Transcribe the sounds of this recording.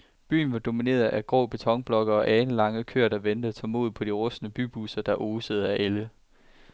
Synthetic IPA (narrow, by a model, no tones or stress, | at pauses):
b̥y̰ːn̩ʋɑ̈d̥o̝mine̝̰ːɐðˠʔæɡ̥ʁɔ̰ːb̥e̝t͡sʰɒ̽ŋ̰b̥lɒ̽ɡ̥ɐɒ̽ʔɛːn̩lɑ̈ŋəðkʰø̰ɐd̥ɑʋend̥əðˠt͡sʰɒ̰ːmo̝ðˠpʰɒ̽d̥iʁɔ̽snəb̥yb̥usɐd̥ɑ̈ʔoːsəð̩ˠæʔelə